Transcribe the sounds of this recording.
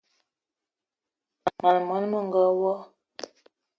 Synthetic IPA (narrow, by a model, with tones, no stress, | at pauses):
a˨ma˨lmə˨˦n˦mə˦˨ŋ˦ɡə˦wɔ˦